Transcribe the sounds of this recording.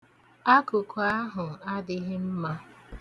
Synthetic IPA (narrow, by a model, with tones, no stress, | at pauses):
a˦kʊ˨kaa˦ɦʊ˨a˦dɪ˦ɦɪ˦m̩˦ma˦